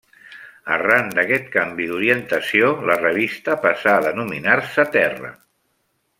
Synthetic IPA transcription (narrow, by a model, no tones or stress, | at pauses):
ə̰rand̪əkɛt̪̚kambiðuɾiənt̪əsiolərəβ̞ist̪əpasaðənuminaɾsət̪ɛrə̰